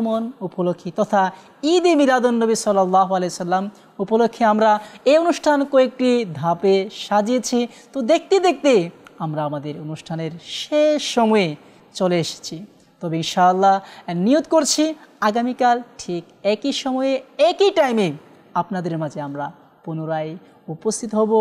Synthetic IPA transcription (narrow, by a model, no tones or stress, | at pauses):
monupolokʰːit̪ɔt̪ʰa | id̪imid̪ad̪onːobisɔlːalːaɦoalejosɐlːam | upolokʰːiamɾaeonuʃʈʰankoek̚ʈid̪ʱapeʃad͡ʑiet͡ɕʰi | t̪od̪ek̚t̪id̪ek̚t̪eamɾaamad̪eɾonuʃʈʰaneɾʃeʃːɔmɔe | t͡ɕoleeʃe̥t͡ɕʰi | t̪ɔbeinʃaːlːaniot̪̚koɾt͡ɕʰiaɡamikalʈʰik | ɛkiʃɔmɔeekiʈajme | apnad̪eɾmad͡ʑʱeamɾa | punoɾaj | upost̪ʰit̪oɦɔbo